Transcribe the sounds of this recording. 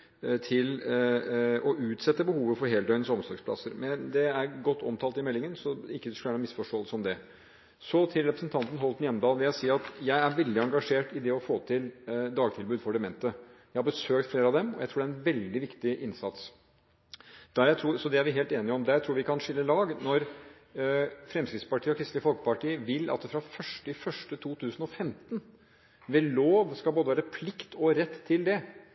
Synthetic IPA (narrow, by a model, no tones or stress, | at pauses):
t̪ʰɪl | ɔʔʉːt̪sɛt̪ːəbəhuːʋəfɔɾɦeːld̪œʏnəsɔmsɔɡspʰlɑ̰səɾmɛnd̪ɛæɾɡɔt̪ːɔmt̪ʰɑːlt̪ɪmɛlːɪŋənsɔɪkːəskʉlʋæːɳəmɪsfɔʂʈoːləsɔmd̪ɛ | sɔt̪ʰɪlɾɛpɾəsənt̪ʰɑnt̪n̩ɦɔlt̪njɛmːəd̪ɑːlʋɪljæɪsiːɑt̪jæɪæɾʋɛld̪ɪɑŋɡɑʂeːʈɪd̪ɛɔfoːt̪ʰɪld̪ɑːɡ̚t̪ʰɪlbʉːd̪fɔɖɛmɛnt̪əjæɪhɑɾbəsøːk̚t̪fleːɾəɑʋd̪ɛmɔ̰jæ̰ɪt̪ʰuːɖæɾɛnʋɛld̪ɪʋɪkt̪ɪʔɪnsɑt̪s | d̪̥æɾjæɪt̪ʰɾuːsɔd̪ɛæɾʋɪɦeːlt̪eːnɪɔmd̪ɛæt̪ʰɾuːɾʋɪkɑnʂɪlːəlɑːɡnɔɾ | fɾɛmskɾɪt̪spɑʈʰiːɔkʰɾɪst̪ləfɔlkə̥pɑʈiːʋɪlːɑ̰t̪fɾɑfœʂʈɪfœʂʈət̪ʰuːt̪ʰʉːsn̩ɔfɛmt̪n | ʋɛloːʋskɑlboːd̪əʋæːɾəpʰlɪkt̪ʰɔɾɛt̪ʰːɪld̪ɛ